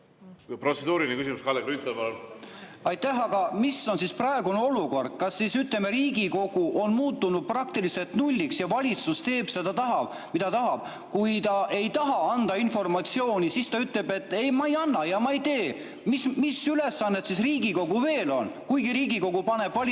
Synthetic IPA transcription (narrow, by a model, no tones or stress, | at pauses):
pro̞t̪sed̪uːɾinekysʲimuskɑleklyt̪ːˑelbellɑjt̪ːæɦɑɡ̥ɑmisːo̞nsisprɑeɡuneo̞luko̞rd̪̥̚kɑsːisyt̪lemeɾiːɡiko̞ɡ̥uʔo̞nmuːt̪ːˑunud̪̚prɑk̚t̪ilise̞lt̪nulʲːiksjɑvɑlʲit̪sust̪e̞ːb̥sed̪̥ɑt̪ɑɦɑb̥ | mid̪ɑt̪ɑɦɑb̥ | kujt̪ɑʔe̞jt̪ɑɦɑɑnd̪ɑinfo̞rmɑt̪sio̞ːnʲisist̪ɑyt̪ˑle̞be̞t̪ːˑejmɑejɑnːɑjɑmɑejt̪e̞ː | mismisyle̞sːɑnːet̪sisriːɡiko̞ɡuve̞ːlo̞nkujɡiɾiːɡiko̞ɡ̥upɑne̞b̥vɑl